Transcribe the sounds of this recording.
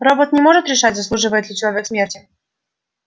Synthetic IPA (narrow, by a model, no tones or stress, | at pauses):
ɾɔbɔt̪nʲɛmɔʐɨt̪ɾʲɪʂatʲzɐslˠuʐɨvəjɛd̪lʲɪt͡ɕɪlˠɐvʲɛksʲmʲertʲɪ